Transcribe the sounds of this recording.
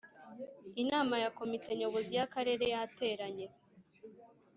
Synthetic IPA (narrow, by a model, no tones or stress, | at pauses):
inaːmajako̞mite̞ɲo̞βo̞zijakaɾe̞ːɾe̞jate̞ɾaɲe